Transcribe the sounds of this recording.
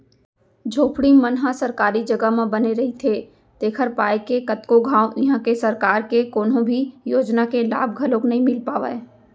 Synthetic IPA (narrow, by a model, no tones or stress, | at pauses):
d͡ʒʱoːpʰɽimənɦãsɐɾkaːɾid͡ʒɐɡəmẽbɐneɾɐɦit̪ʰeː | t̪eːkʰəɾpaːjkekɐt̪koɡʱãːõɪɦãkesɐɾkaːɾkekoːnõbʱijoːd͡ʒnakela̰ːb̚ʱɡʱɐlõknɐɦĩmɪlpaːʋa̰eː